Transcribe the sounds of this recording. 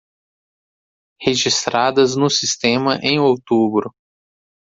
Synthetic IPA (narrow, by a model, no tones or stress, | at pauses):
heʒist̪ɾad̪ɐznʊsist̪ẽmɐʔẽj̃owt̪ubɾʊ